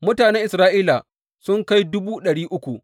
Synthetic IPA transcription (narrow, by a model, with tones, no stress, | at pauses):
mʊ˦taː˨nɛ˦ʔɪ˨sɾaː˦ʔiː˦la˨ | sʊ˦ŋka˦jdʊ˦buː˦ɗɐ˨ɽiː˦ʔʊ˦kʷu˨ʔ